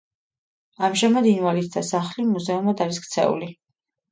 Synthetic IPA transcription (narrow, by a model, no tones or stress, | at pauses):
amʒamad̪inwalit̪̚ʰd̪asaχlimuzɛumad̪aɾiskt̪sʰɛ̰ṵli